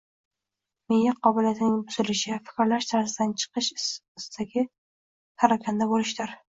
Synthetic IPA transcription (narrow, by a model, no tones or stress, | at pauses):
mejaqʰɒbɪlijat̪ʰɪnɪŋbʊz̥ɪlɪʃɪfɪ̥kʲɾlaʃt̪ʰaɾzɪd̪ant͡ʃʰɨ̥qɨʃɪst̪aɡʲɪ | h̪ʰaɾakʲʰand̪abolɪʃd̪ɪɾ